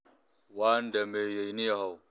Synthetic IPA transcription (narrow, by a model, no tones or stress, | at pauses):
waːndamejejnijahaw